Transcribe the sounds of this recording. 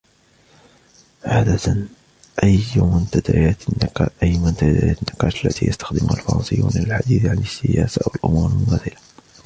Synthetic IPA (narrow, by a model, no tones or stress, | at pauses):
ʕaːd̪at̪an | ʔajmʊnt̪ad̪ajat̪nːqːʔjːmʊnt̪ad̪ajat̪nːɪqɑːʃəlːæt̪ijəst̪ḁxd̪əmʊhalfɑɾˤɑ̰nsə̰jːuːnɪləlħad̪iːθʕanəsːɪjæːsawəlʔʊmuɾlmʊmæθɪla